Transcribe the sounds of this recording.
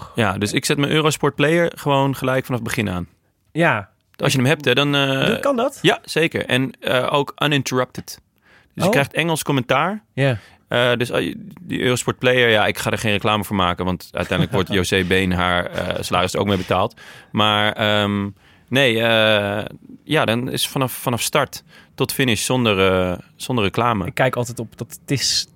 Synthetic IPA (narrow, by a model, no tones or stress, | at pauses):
jadøsɪksɛtmənʔøːrospɔɹt̚plejəɹχəʋownχəlɛjkfanɑfbəχɪnaːn | ja | ɑ̰lˠsjənəmɦɛp̚tɛdɔnndɑtjasejkə̰ɹɛ̰nəʔowkʔənɪntəɹəp̚tət | dəsɪkːrɛjχtɛŋəlˠskɔmɛntaːɹ | ədøsdə̰ʔøːrospɔɹt̚plejəɹjaɪkχaːdəɹχeːnrəklaːməvoːɹmaːkənʋɑntʔœ̰ɥtɛ̰jnddləkʋɔɹtjoːseːbeːnɦaːɹə̰səlaːɾɪsdəɹo̰wk̚mejbətaːlˠtmaːɹəm | nejə | jadɔnɪ̰sfɑnɑfːɑnɑfstɑɹtːɔtfɪnɪʃsɔndəɹəz̥ɔndərəklaːmə̰ɪkːɛjkɑlˠtɛtɔpdɔttɪs